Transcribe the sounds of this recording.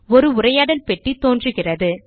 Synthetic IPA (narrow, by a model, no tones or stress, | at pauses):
ɔɾɯʊrɐjaːɽɐlpɛʈːit̪ːoːndrɯɣɪrɐðɯ